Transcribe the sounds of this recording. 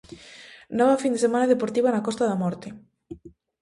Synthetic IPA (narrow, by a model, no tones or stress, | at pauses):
nɔβafind̪esemãnaðepoɾt̪iβanakɔst̪aðamɔɾt̪ɪ